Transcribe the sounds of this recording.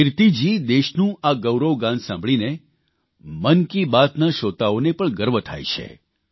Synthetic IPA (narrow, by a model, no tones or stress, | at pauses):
ɪɾt̪id͡ʒid̪eʃnũaɡəwɾoɡãnsãmbʱɭine | mənkibat̪naʃot̪aonepəɳɡəɾʋət̪ʰa̰jt͡ʃʰḛ